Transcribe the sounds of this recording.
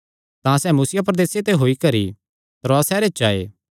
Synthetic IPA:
t̪ãsɛːmusɪjapɾɐd̪eːset̪eɦoːikɐɾḭ | t̪ɾoasɛːɾet͡ʃaːḛː

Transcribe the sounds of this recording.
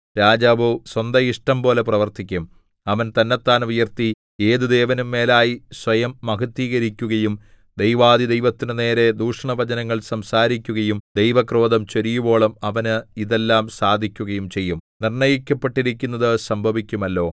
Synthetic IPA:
ɾaːd͡ʑaːʋɨswɐnd̪ɐiʂʈɐmpo̞ːle̞prɐʋɐrt̪ikʲːum | ɐʋɐnt̪ɐnːet̪ːaːnujɐrt̪i | eːðɨd̪e̞ːʋɐnumːe̞ːlaːjisʋɐjɐmːɐkʰɐt̪ːiːɣɐɾikʲːuɣɐjum | d̪ejʋaːðid̪e̞jʋɐt̪ːinɨne̞ːɾe̞d̪uːʂɐɳɐʋɐd͡ʑɐnɐŋːɐɭsɐmsaːɾikʲːuɣɐjumd̪ejʋɐkro̞ːd̪ɐmt͡ɕoɾijubo̞ːɭɐmɐʋɐnɨiðe̞lːaːmsaːd̪ʱikʲːuɣɐjumt͡ɕe̞jːumnirɳɐjikʲːɐpːeʈːiɾikʲːun̪ːɐðɨsɐmbʱɐʋikʲːumɐlːo̞ː

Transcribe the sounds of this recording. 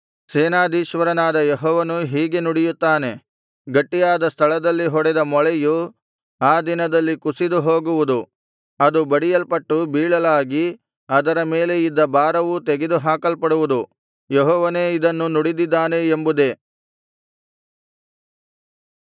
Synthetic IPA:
seːnaːd̪iːʃʋɐɾɐnaːd̪ɐjeɦɔːʋɐnuɦiːɡe̞nuɽijut̪ːaːne̞ | ɡɐʈːijaːd̪ɐst̪ʰɐɭɐd̪ɐlːiɦɔɽɛd̪ɐmɔɭɛju | aːd̪inɐd̪ɐlːikusid̪uɦoːɡuʋud̪u | ɐd̪ubɐɽijɐlpɐʈːubiːɭɐlaːɡi | ɐd̪ɐɾɐme̞ːle̞id̪ːɐbaːɾɐʋut̪eɡed̪uɦaːkɐlpɐɽuʋud̪u | jeɦɔːʋɐne̞ːid̪ɐnːunuɽid̪id̪ːaːne̞ːmbud̪e̞

